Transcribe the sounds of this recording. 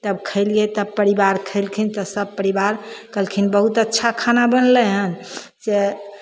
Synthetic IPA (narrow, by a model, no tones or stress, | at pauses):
t̪əbkʰəɪlɡet̪əb̚pəɾibaɾkʰəɪlkʰint̪ɔsəb̚pəɾibaɾkəlkʰinbəɦut̪ətːʃʰakʰanabənləɦən | d͡ʒe